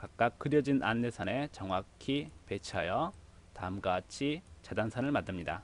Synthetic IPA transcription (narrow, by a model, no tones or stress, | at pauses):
kak̚k͈ak̚k͈ɯɾjʌd͡ʑinʔa̰nːe̞sʰane̞t͡ɕʌŋwakʰipe̞t͡ɕʰajʌ | taɯmɡat͡ɕʰit͡ɕadansʰanɯɭmadɯmɲida